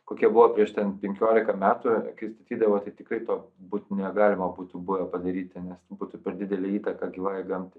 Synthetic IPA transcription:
koːkʲiɛbʊʋoːpʲɾʲiɛʃt̪ʲɛnpʲɛŋʲkʲoːlʲɪkɐmʲæːt̪uɐkɐɪst̪ɐt̪ʲiːd̪ɐʋoːt̪ɐɪt̪ʲɪkrɐɪt̪oːbuːt̪nʲɛɡɑːlʲɪmɐbuːt̪ʊbʊʋʲɛpɐd̪ɐɾʲiːt̪ʲɪnʲɛsbuːt̪ʊpʲɛɾd̪ʲɪd̪ʲɛlʲɛːiːt̪ɐkɑɡʲiːʋɑːjɡɐmʲt̪ʲɪ

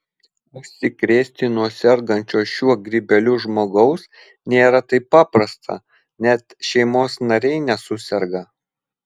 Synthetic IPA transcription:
ʊʃʲsʲɪkɾʲeːsʲt̪ʲɪnuɔsʲɛɾɡɐnʲt͡ʃʲoːʃʲuɔɡɾʲibʲɛlʲʊʒmoːɡɐʊs | nʲeːɾɐt̪ɐɪpːɑːpɾɐst̪ʰɐ̰ | nʲɛt̪ʃʲɛɪmoːsnɐɾʲɛɪnʲɛsʊsʲɛɾɡɐ

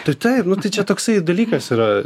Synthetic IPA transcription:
t̪ɐɪt̪ɐɪpnʊt̪ɐɪt͡ʃʲɛt̪oːksɐɪd̪ɐlʲiːkɐsiːɾɐ

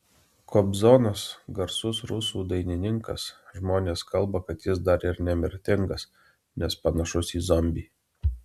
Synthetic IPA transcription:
kʰɔbzɔnɐsɡɐɾsʊsɾʊsuːd̪ɐɪnʲɪnʲɪŋkɐ̰sʒmoːnʲeːskɐlˠˑbɐkɐt̪jɪs̬d̪ɐɾɪɾnʲɛmʲɪɾʲt̪ʲɪŋɡɐs | nʲɛspɐnɐʃʊsiːzɔmʲbʲiː

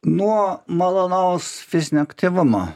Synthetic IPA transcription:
nuɔmɐlˠɐnɑʊsfʲɪsʲnʲɪɐkt̪ʲɪʋʊmo̰

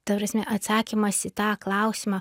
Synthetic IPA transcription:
t̪ɐpɾɐsʲmʲɛʔɐt̪sɑːkʲɪmɐsɪt̪ɑːklˠɑˑʊsʲɪmɑ

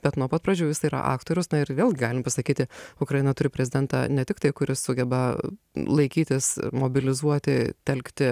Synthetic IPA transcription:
b̥ʲɛt̪nuɔpɐt̪̚prɐd͡ʒʲuːʋɪsɐiɾɐ̰ʔɑ̰ːkt̪oːɾʲʊsnɐɪrʋʲeːlˠɡʲɪɡɑːlʲɪmpɐsɐkʲiːt̪ʲɪʊkɾɐjɪnɐt̪ʊɾʲɪpɾʲɛzʲɪdʲɛnt̪ɑ̰nʲɛt̪ʲɪkt̪ɐɪkʊɾʲɪssʊɡʲɛbɐ | lˠɐɪkʲiːt̪ʲɪsmoːbʲɪlʲɪzuɔt̪ʲɪt̪ʲɛlʲkt̪ʲɪ

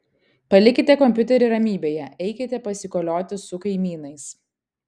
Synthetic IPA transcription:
pɐlʲɪkʲɪt̪ʲɛkɔmʲpʲʊt̪ʲɛɾʲɪɾɐmʲiːbʲeːjɛɛɪkʲɪt̪ʲɛpɐsʲɪkoːlʲoːt̪ʲɪsʊkɐɪmʲiːnɐɪs

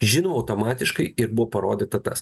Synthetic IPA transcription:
ʒʲɪnoːɐʊt̪oːmɑːt̪ʲɪʃkɐɪɪɾbʊʋoːpɐɾoːd̪ʲɪːt̪ɐt̪ɐ̰s

